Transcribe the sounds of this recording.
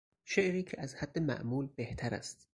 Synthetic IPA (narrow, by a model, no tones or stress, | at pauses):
ʃeʔɾiːcʰeʔæzhæd̪̥ːemæ̰ʔmuːlbeht̪ʰæɾæ̰st̪